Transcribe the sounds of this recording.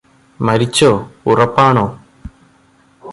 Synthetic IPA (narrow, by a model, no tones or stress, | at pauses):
mɐɾit͡ɕːoːurɐpːaːɳoː